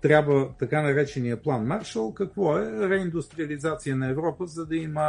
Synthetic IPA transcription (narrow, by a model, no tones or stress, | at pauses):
t̪ɾʲjabvət̪ɐkanɐɾɛt͡ʃɛnijəplˠanmaɾʃəlˠkɐkvɔɛɾɛind̪ʊst̪ɾiəlizat̪sijənɐɛvɾɔpəzɐd̪ɐimə